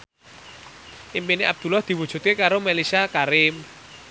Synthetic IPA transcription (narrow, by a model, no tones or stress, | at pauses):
ʔimpineʔab̚d̪̥ṳlahd̪̥i̤wud̥ʒ̥ṳt̪̚kekaɾomelisakaɾɪm